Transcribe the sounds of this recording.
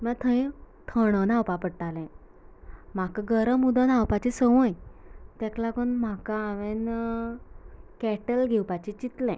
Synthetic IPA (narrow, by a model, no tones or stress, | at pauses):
mãt̪ʰə̃j | t̪ʰəɽ̃ənawpapəɽʈalɛ̃ | m̤akəɡəɾəmud̪ənawpat͡ɕisəʋõjt̪ɛklakonm̤akaaʋen | kɛʈəlɡʱewpat͡ɕit͡ɕit̪lɛ̃